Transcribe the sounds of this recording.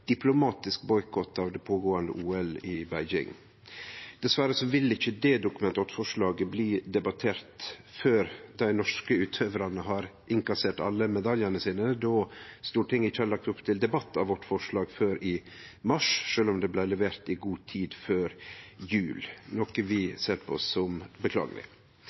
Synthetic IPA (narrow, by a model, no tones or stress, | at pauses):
d̪̥ɪplʊmɑːt̪ɪskbɔʏkʰɔt̪ːɑʋd̪ɛpʰoːɡoːɑnd̪ə̰ʔuːɛlɪbæɪd͡ʒɪ̰ŋ | d̪̥ɛsʋæɾəsɔʋɪlːɪçːəd̪ɛd̪ʊkʉmɛnt̪ɑt̪fɔʂlɑːɡəbliːd̪ɛbɑt̪ʰeːɾt̪føːɾd̪̥æɪnɔʂkəʉːt̪ʰøʋɾɑnəɦɑɾʔɪŋkɑseːʈɑ̰lːəmɛd̪ɑljənəsiːnəd̪oːst̪uːʈɪŋɪçːəhɑɭɑk̚t̪ʊpt̪ʰɪld̪ɛbɑt̪ːɑʋʋɔʈːfɔʂɭɑːɡføːɾɪ | mɑʂʂøːlɔmd̪ɛblæɪlɛʋeːɾt̪ɪɡuːt̪ʰiːd̪føːɾjʉːlnoːkəʋɪseːɾpʰɔɔ̰sːɔmbəkʰlɑ̰ːɡə̰lɪ̰